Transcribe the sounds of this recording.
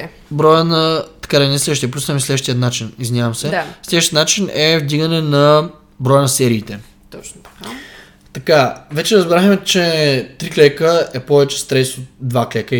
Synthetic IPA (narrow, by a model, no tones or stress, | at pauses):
bɾɔjənɐt̪ɐ̥kad̪ɐnɛslɛd̪əʃt̪ijəplʲusmislɛd̪əʃt̪ijət̪nat͡ʃinizvinʲavɐmsɛslɛd̪əʃt̪iət̪nat͡ʃinɛvd̪iɡənɛnɐ | bɾɔjənɐsɛɾiːt̪ɛ | t̪ɔt͡ʃna | t̪ɐkavɛt͡ʃɛɾəzbɾaxmɛt͡ʃɛt̪ɾiklɛkəɛpɔvɛt͡ʃɛ̥st̪ɾɛsot̪̚d̪vaklɛkə